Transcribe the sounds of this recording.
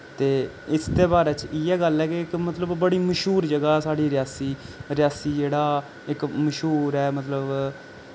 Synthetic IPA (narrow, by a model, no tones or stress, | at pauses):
t̪eː | ɪst̪eːbaːɾeːt͡ʃiɛːɡəlːɛːkeɪkmət̪ləbːəɽiːməʃuːɾd͡ʒəɡaːsaːɽiːɾjaːsiːɾɪjaːsiːd͡ʒeːɽaː | ɪkməʃuːɾɛːmət̪ləb